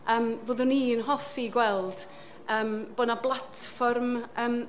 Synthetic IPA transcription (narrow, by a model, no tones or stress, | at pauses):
əːmvoːðʊnːiːənɦɔfiɡwɛlˠd̥ | əːmboːdnablˠatʰfɔrməːm